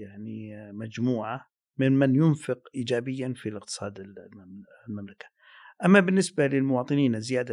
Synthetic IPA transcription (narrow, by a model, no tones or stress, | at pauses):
jaʕnimad͡ʒmuːʕa | mɪnmanjʊnfɪqʔiːd͡ʒaːbɪjːanfilɪq̚t̪ɨ̥sˤɑːd̪ɪ | lmamlakḁ | ʔamːabɪnːɪsbalɪlmʊwɑːt̪ˤɨniːnɪzɪjaːd̪a